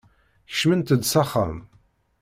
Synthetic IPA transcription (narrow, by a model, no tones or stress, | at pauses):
ç̥ʃmənt̪əd̪sɑχa̰m